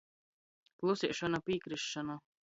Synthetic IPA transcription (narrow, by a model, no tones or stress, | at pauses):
plˠusiɛʃɔnapiːkɾiʃːɔnu